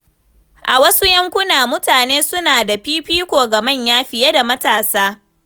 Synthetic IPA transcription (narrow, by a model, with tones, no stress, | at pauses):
ʔa˨wɐ˦su˦jɐ˦ŋkʷʊ˦naː˨mʊ˦taː˨neː˦sʊ˦naː˨da˨ɸiː˦ɸiː˦kʷoː˨ɡɐ˨mɐ˦˨ɲjaː˦ɸɪ˨ja˦da˨mɐ˦taː˨saː˦